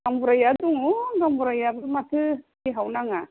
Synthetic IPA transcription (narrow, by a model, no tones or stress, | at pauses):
ambuɾajad̪uŋuɡambuɾajabɯmatʰɯkiɦawnaŋa